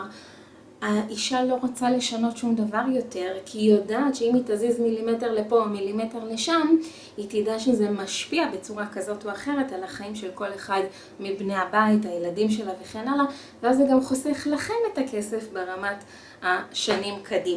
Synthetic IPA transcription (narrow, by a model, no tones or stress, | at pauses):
aʔiʃalo̞ʁat͡sale̞ʃano̞tʃumdavaʁjo̞te̞ʁkʰijodaːtʃeimitazizmilimete̞ʁlepo̞milime̞te̞ʁle̞ʃam | itidaʃezemaʃpiabet͡suʁakazo̞toaχe̞ʁe̞talaχaimʃelko̞le̞χad | mibne̞abaitajeladimʃe̞lave̞χe̞nala | veazeɡamχose̞χlaχe̞me̞take̞se̞fbeʁamat | haʃanimkʰadima